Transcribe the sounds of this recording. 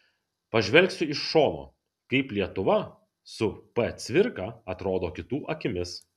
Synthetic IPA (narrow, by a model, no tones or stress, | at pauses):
pɐʒʲʋʲɛlʲksʲʊɪʃʃoːno̰ː | kɐɪplʲiɛt̪ʊʋɐ | sʊpɐt̪sʲʋʲɪɾkɑːɐt̪ɾoːd̪oːkʲɪt̪uːʔɐkʲɪmʲɪs